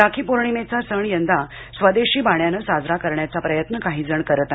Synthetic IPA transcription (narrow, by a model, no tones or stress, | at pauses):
ɾakʰiːpoɾɳimet͡sasəɳjənd̪a | sʋəd̪eɕiːbaɳjanəsad͡zɾakəɾɳjat͡sapɾəjət̪nəkaɦiːd͡zəɳkəɾət̪a